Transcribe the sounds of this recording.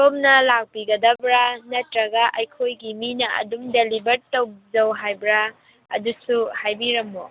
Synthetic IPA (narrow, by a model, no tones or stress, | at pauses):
tomnɐlak̚piɡɐd̪ɐbɾanɐtɾɐɡaʔɐjkʰojɡiminɐʔɐ̰dumdelibɐɾtowzɐwɦajbɾa | ɐ̰dusuhajbiɾɐmːo